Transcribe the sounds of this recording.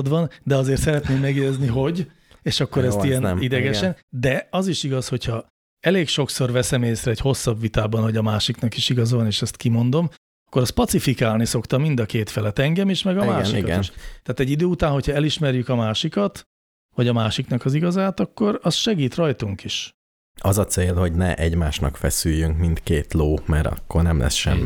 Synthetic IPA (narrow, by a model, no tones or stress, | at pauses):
d̪ʋɒnd̪ɛɒzeːrt̪sɛɾɛt̪neːmːɛɡjɛjɛzniɦo̞ɟ | eːʃɒkːo̞ɾɛst̪ijɛnid̪ɛɡɛʃɛnd̪ɛɒziʃiɡɒsho̞cʰhɒ | ɛleːkʃo̞kso̞rvɛsɛmeːsrɛːcho̞sːɒbvit̪aːbɒnho̞ɟɒmaːʃiknɒkiʃiɡɒzʋɒneːʃɛst̪kimo̞nd̪o̞m | ɒkːo̞ɾɒst̪pɒt̪sifikaːlniso̞kt̪ɒmːind̪ɒkeːt̪fɛlɛt̪ɛŋɡɛmiʃmɛɡɒmaːʃikɒtiʃt̪aːt̪ɛɟːid̪øːut̪aːnho̞chɒɛliʃmɛrjykɒmaːʃikɒt̪ | vɒɟɒmaːʃiknɒkɒziɡɒzaːt̪ɒkːo̞ɾɒsʃɛɡiːt̪rɒjt̪uŋkiʃ | ɒzɒt̪seːlho̞ɟnɛʔɛɟmaːʃnɒ̰kfɛsyjːyŋkmint̪keːt̪loːmɛɾɒ̰kːornɛmlɛ̰sʃɛ̰mːi